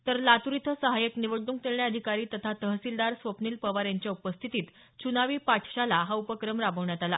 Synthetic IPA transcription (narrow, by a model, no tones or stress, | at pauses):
t̪əɾlat̪uɾit̪ʰəsəɦajəkniʋəɖ̪ːuŋk̚t̪eɭɳjaəd̪ʱikaɾiːt̪ət̪ʰat̪əɦsild̪aɾsʋəpniːlpəʋaɾjaɲt͡ɕjaupəst̪ʰit̪iːt̪ | t͡ɕunaʋiːpaʈʰɕalaɦaupəkɾəmɾabəʋɳjat̪ala̰